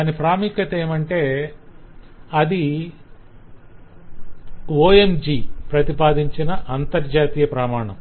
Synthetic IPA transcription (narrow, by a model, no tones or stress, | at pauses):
anipɾaːmikɐt̪eːmɐɳʈe̞ː | ɐd̪i | oːemd͡ʒiːpɾɐt̪ipaːd̪iɲt͡ʃinɐʔɐnt̪ɐɾd͡ʒaːt̪iːjɐpɾɐmaːɳɐ̰m